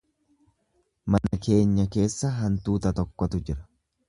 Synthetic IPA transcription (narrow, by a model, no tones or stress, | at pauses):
mɐnɐkʰe̞ːɲːɐke̞ːsːɐɦɐnt̪uːt̪ɐt̪ɔkːɔt̪ʊd͡ʒɪɾɐ̥